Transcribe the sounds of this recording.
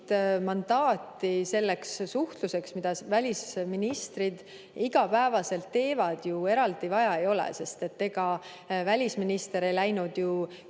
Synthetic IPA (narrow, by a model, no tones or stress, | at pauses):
t̪mɑnd̪̥ɑːt̪ːˑise̞lːekssuht̪luse̞ksmid̪̥ɑvælʲisminist̪rid̪̥ | iɡ̥ɑpæevɑse̞lt̪ːe̞ːvɑd̪̥jue̞ɾɑld̪ivɑjɑejo̞lɛ̰se̞st̪e̞t̪ːe̞ɡ̥ɑ | vælʲisminist̪e̞ɾe̞jlæjnud̪̥ju